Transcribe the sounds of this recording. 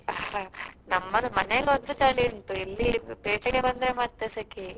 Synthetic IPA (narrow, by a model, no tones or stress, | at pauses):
nɐmːɐlmɐneɡɔd̪ɾut͡ʃaːɭiuɳʈuilːipeːt͡ʃɐɡe̞bɐnd̪ɾemɐt̪ːesɐki